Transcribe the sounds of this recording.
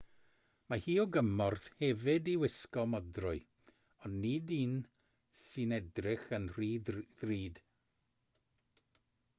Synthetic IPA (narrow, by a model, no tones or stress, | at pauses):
mahiːɔɡəmɔrθhɛvɨdiwɪskɔmɔdrʊɨ | ɔnːidiːn | sɨnɛdrɪχənriːðriːd̥